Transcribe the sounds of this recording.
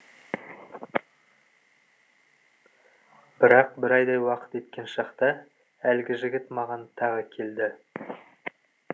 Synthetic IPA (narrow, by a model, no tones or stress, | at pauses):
b̥ɪɾɑq̚bɪɾɑjd̪ɑjwɑqə̥t̪e̞t̪kʲe̞nʃɑqt̪ə | ælɡʲɪʒɪɡʲɪt̪mɑʁɑnt̪ʰɑʁəkʲʰe̞ld̪ɪ